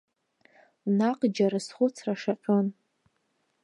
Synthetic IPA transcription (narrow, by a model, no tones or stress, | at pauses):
naqʼd͡ʒaɾɨsχʷʊt͡sʰraʂaqʲʷʼon